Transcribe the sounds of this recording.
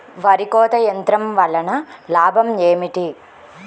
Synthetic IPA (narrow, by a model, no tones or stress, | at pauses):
ʋɐɾikoːt̪ɐjɐnt̪ɾɐmʋɐlɐɳɐlaːbʱɐmjeːmiʈi